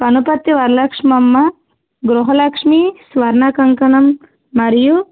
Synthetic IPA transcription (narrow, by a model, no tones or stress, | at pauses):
pɐnupɐt̪jiʋɐɾlɐkʂmɐmːɐ | ɡɾuɦɐlɐkʂmisʋɐɾnakɐŋkɐnɐmː | ɐɾju